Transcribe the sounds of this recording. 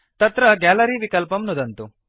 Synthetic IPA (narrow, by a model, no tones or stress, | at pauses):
t̪ɐt̪ɾɐɡaːlɐɾiʋikɐlpɐmnud̪ɐnt̪u